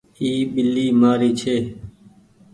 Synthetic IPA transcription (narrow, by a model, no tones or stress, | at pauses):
iːɓɪlːiːmaːɾiːt͡ʃʰeː